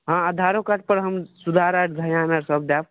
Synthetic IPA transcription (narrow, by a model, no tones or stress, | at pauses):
ɦãad̪ʱaɾokaʈ̚pəɾɦəmsud̪ʱaɾaʈʰd͡zʱəjanəɾsəb̚d̪ab